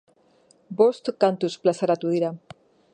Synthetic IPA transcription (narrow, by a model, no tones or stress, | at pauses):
bost̪kant̪usplasaɾat̪uiɾa